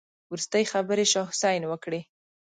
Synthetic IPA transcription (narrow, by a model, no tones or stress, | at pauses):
wɾust̪əjxabəɾeʃɑhsajnwəkɽe